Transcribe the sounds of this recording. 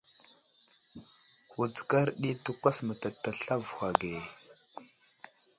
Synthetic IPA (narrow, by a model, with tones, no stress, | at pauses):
hu˨t͡ska˦ɾɗi˦tu˦kʷa˦sma˨ta˨ta˨ɬa˦vxʷa˨ɡe˨